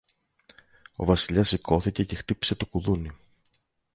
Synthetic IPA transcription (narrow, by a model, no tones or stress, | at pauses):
o̞̰vɐsiʎɐsikʰo̞θice̞ce̞xt̪ipi̥se̞t̪o̞kuðuni